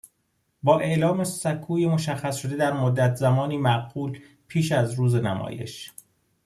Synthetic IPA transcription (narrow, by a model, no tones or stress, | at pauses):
bɒːʔe̞ʔlɒːmesækʰuːjemoʃæxːæsʃo̞d̪e̞d̪æɾmod̪ːæt̪ʰzæmɒːniːmæʔɢuːl | pʰiːʃæzɾuːze̞næ̰mɒ̰ːje̞̰ʃ